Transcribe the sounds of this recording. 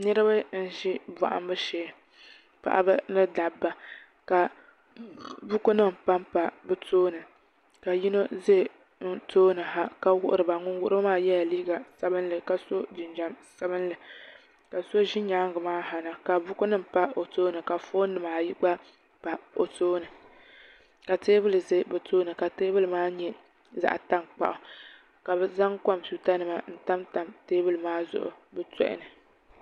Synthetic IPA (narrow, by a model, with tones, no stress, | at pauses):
nɨ˦ɾɨ˦ba˦n̩˦ʒi˦ba̰˨ʔa̰˨m˦bɨ˦ʃeː˨˦ | pa̰˨ʔa̰˦bɨ˦nɨ˦da˨bːa˨ | ka˨ | bʊ˦kʊ˦nɨ˦m˨pa˦mpa˨bɨ˦tʰoː˦nɨ˨ | ka˨ji˦no˦ze˦˨ | n̩˦toː˦nɨ˨ɦa˦ka˦wʊ˦ʔʊ̰˦˨ɾɨ˨ba˨ŋʊ˦nwʊ˦ʔɾɨ˦maː˦jɛ˦la˨liː˦ɡa˨sa˦bɨ˦n˦lɨ˨ka˨so˦d͡ʒɪ˨nd͡ʒa˨msa˦bɨ˦n˦lɨ˨ | ka˨so˦ʒɪ˦ɲaː˦ŋ˦ɡɨ˨maː˦ɦa˨na˨ka˨bʊ˦kʊ˦nɨ˦m̩˨pa˦o˨toː˦nɨ˨ka˨foː˦nː˦ɨ˨maː˨ji˦ɡ͡ba˦ | pa˨o̰˨toː˦nɨ˨ | ka˨teː˦bɨ˦lɨ˨zɨ˦bɛ˨tʰoː˦nɨ˨ka˨teː˦bɨ˦lɨ˨maː˦ɲɛ˦ | za̰˨ʔta˦mk͡pa̰˨ʔʊ˨ | ka˨bɛ˦za˦ŋka˦msu˨ta˦nɨ˨ma˨n̩˦ta˦mta˨mteː˦bɨ˦lɨ˨maː˦zʊ̰˨ʔʊ̰˨bɛ˦tɛ̰˦ʔɪ̰˦˨nɨ˨